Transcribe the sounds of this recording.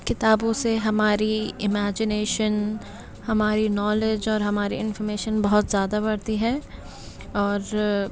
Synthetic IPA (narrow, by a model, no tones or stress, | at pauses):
kɪt̪aːbõseɦɐmaːɾiɪmɛːd͡ʒɪneːʃən | hɐmaːɾinɔːled͡ʒɔːɾɦɐmaːɾiɪ̃nfɔɾmeːʃənbɐɦʊt̪zjaːd̪abɐɽt̪iɦɛː | ɔːɾ